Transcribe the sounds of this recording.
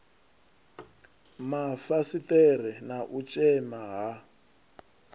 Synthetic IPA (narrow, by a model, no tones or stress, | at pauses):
mafasitɛr̤ɛnaʔut͡ʃʼɛmaɦa